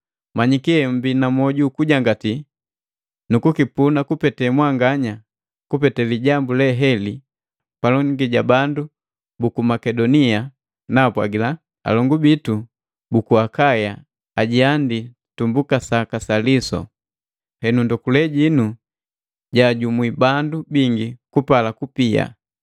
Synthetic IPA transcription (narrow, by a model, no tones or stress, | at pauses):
maɲikiɛm̩binamɔɟukuɟaŋɡati | nukukipunakupɛtɛmwaŋɡaɲa | kupɛtɛliɟambulɛɦɛli | palɔŋɡiɟabandu | bukumakɛdɔnia | napwa̰ɡila | a̰lɔŋɡubitu | bukuakaja | aɟiandi | tumbukasakasalisɔ̰ | hɛnundɔkulɛɟinu | ɟaːɟumwibandubiŋɡikupalakupia̰